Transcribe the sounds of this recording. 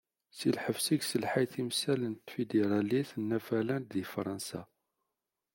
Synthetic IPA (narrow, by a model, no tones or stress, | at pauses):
silħəvsiɡsəlħajθimsælənt̪fid̪eɾˤɑliθnːæfælænðifɾˤɑnsæ̰